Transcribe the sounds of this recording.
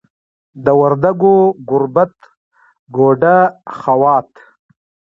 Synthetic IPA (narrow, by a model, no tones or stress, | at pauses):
d̪əwaɾd̪aɡoɡʊɾbat̪ | ɡoːɖaχawɑːt̪